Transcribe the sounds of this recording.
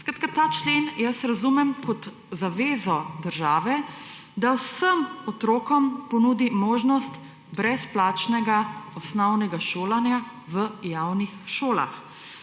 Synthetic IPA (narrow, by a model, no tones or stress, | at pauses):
skɾat̪̚kat̪aːt͡ʃleːnjəsɾazumɛmkɔt̪ | zaʋeːzɔd̪əɾʒaːʋɛ | d̪awsəmɔt̪ɾoːkɔmpɔnud̪imoːʒnɔst̪ | bɾɛsplaːt͡ʃnɛɡaɔsnɔwnɛɡaʃoːlanja | ʋəjawnixʃoːla̰x